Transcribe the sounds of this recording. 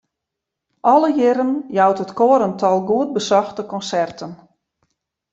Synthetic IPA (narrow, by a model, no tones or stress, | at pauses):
ʔɔləjɪɾənjawtətkoːəɾəntʰɔlˠɡuət̚bəsɔxtəkɔnsɛrtʰən